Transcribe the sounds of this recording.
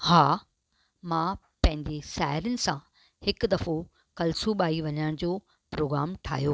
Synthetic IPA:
haː | mãː | pɐ̃ɦɪ̃ɲd͡ʑeʃaːɦɪɾənɪ̆sã | hɪkd̪ɐfo | kɐlsuɓaːiʋɐɲəɽ̃d͡ʑoː | pɾoːɡɾaːmʈʰa̰ːɦijoː

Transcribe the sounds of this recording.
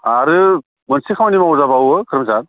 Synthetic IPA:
aɾɯ | mɯnsikʰawnimaɔzabawɯkʰɯɾɯmzan

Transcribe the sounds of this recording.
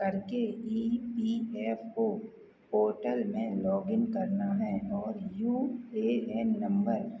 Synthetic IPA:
kɐɾkeiːpiːɛːpo | poːɾʈəlmẽlɔːɡɪnkɐɾnaɦɛɔːɾjuːeːɛːnːɐ̃mbəɾ

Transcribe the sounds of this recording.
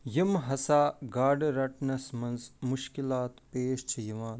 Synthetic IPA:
jimɦɐsaːɡaːɾɖɾɐʈnɐsmɐnzmuʃkilaːt̪peːʃt͡ʃʰijiʋaːn

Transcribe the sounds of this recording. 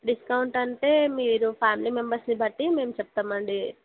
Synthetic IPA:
ɖiskauɳʈɐnʈ̪emeːɾupʰaːmlimembɐɾsnibʱɐʈ̪ːimeːmt͡ʃʰɐp̚t̪ɐmɐɳɖi

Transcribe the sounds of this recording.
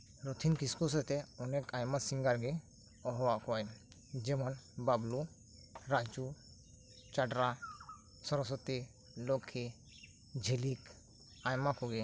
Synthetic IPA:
ɾɔt̪ʰinkiskus̬ɔt̪ɛɔnɛkajmasiŋɡaɾɡɛ | ɔɦɔwaʔkɔaj | d͡ʒɛmɔnbablu | ɾad͡ʒu | t͡ʃaɖɾa | sɔɾɔs̬ɔt̪i | lɔkʰːɛ | d͡ʒʱelik | ajmakɔɡɛ

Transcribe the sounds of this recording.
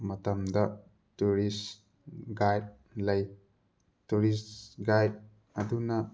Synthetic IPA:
mɐtɐmdɐ | tuɾis | ɡajd̚ | lɐj | tuɾisɡajd̚ | ɐdunɐ

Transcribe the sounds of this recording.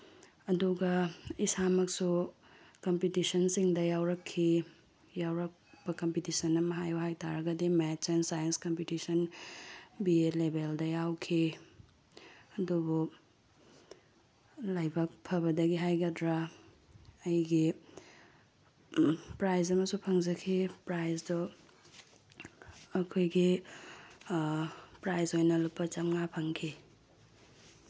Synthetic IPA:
ɐduɡɐisamɐksu | kɐmpitisɐnsiŋdɐjawɾɐkʰːi | jawɾɐk̚b̥ɐkɐmpitisɐnːɐmɐɦajuɦajtaɾɐɡɐdimet͡ʃensajɐnskɐmpitisɐn | bielebeldɐjawkʰi | ɐdubu | lajbak̚pʰɐbɐdɐɡiɦajɡɐdɾaː | jɡi | pɾajzɐmɐsupʰɐŋzɐkʰipɾajzdɔ | ɐkʰojɡi | pɾajzojnɐlupːɐt͡ʃɐmŋapʰɐŋkʰi

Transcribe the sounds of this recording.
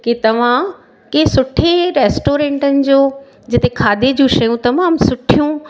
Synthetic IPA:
kit̪ɐʋ̤ã | keɦsʊʈʰeɾeːsʈoːɾẽːɳʈənɪ̆d͡ʑoː | d͡ʑɪt̪ekʰaːd̪ʱed͡ʑũʃɐjũt̪ɐmaːmsʊʈʰijũ

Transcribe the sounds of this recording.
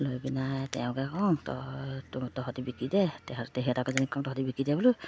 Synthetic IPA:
lojbinatɛʊ̃kɛkɔŋtɔ̰ttɔɦɔtibikidɛtɛtɛɦɛ̃takɛzanikɔŋtɔɦɔtibikidɛbɔlʊ

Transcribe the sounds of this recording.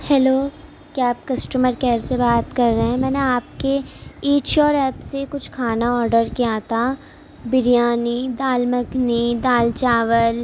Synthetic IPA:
hɛːloː | kjaːp̚kɐsʈəməɾkɛːɾsebaːt̪kɐɾːeɦɛ̃mɛ̃ːneaːp̚keiːt͡ʃɔːɾɛːpsekʊt͡ʃʰkʰaːnaɔːɾɖəɾkiat̪ʰa | bɪɾijaːnid̪aːlmɐknid̪aːlt͡ʃaːʋəl

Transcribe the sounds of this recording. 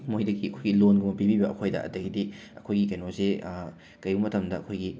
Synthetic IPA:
mojdɐɡiɐkʰojɡilonɡumɐpibibɐʔɐkʰojdɐ̰ʔɐ̰tɐɡidi | ɐkʰojɡikɐjnose | kɐjumɐtʰɐmdɐɐkʰojɡi

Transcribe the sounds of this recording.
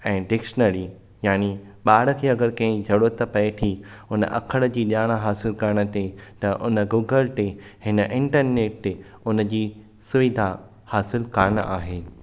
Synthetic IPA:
ɛ̃ːɖɪkʃənəɾi | jaːni | ɓaːɽə̆kʰeːɐɡəɾkɐ̃ɦɪ̃d͡ʑʱɐɽot̪ɐpɐet̪ʰiʊnə̰ʔɐ̰kʰəɽ̃əd͡ʑiːɗjaːɽ̃aɦaːsɪlkɐɾəɽ̃ə̆t̪et̪ɐʔʊnə̆ɡuːɡəlt̪ehɪnəʔɪ̃ɳʈəɾneːʈ | ʊnə̆d͡ʑiː | sʊʋɪd̪ʱa | haːsɪlkɐɾəɽ̃aːɦeː

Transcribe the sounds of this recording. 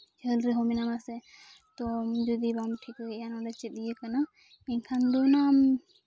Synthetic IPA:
d͡ʒəlɾɛɦɔminamasɛ | t̪ɔmd͡ʒɔd̪ibamʈʰikɔjanaɖat͡ʃɛt̪̚dijəkana | iɲkʰand̪ɔnam

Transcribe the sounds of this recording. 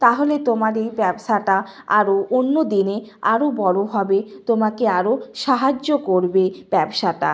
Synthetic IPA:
t̪aɦolet̪omaɾejbɛbʃaʈa | a̰ɾoʔonːod̪ineaɾobɔɽoɦɔbet̪omakeaɾoʃaɦad͡ʑokoɾbeb̥ɛbʃaʈa̰

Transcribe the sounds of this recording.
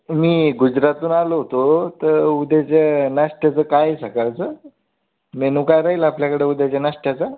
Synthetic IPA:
miːɡud͡ʑɾat̪uːnaloɦot̪ot̪əɾud̪ʱat͡ɕanaʂʈjat͡səːkajesakaɭt͡sə | menũkajɾaɦilaapljakəɽeːud̪jat͡ɕanaʂʈjat͡sa

